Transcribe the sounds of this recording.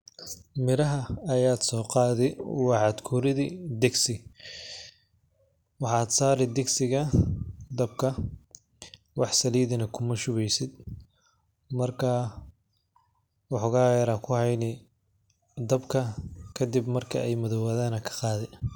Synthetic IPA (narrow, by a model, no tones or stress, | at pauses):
mɪɾɐɦɐːjaːd̪sɔːqɑːðɪwɑħɑd̪kʰuɾɪðid̪ɛɡsɪ | wɑħɑːd̪saːɾɛd̪ɛɡsɪɣɐd̪ɐb̚kʰɐ | wɑħsɐliːðɐnɐkʰʊmɐʃʊβɛjsɪd̪ | mɐrkʰɐ | wɑħʊɣaːɐɾɐkʰʊhɛjnɪ | d̪ɐbkʰɐkʰɐd̪ɪbmɐrkʰɐɛjmɐðɐwɐðaːnɐkʰɐ̥qɑːðɛ